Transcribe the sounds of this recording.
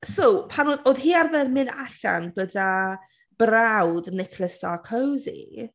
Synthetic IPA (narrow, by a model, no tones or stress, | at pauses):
sowpʰanoːðoːðɦiːarðɛnmɪnaɬa̰nɡəda | b̥rawdnɪkʰlˠəsd̥akʰowzḭ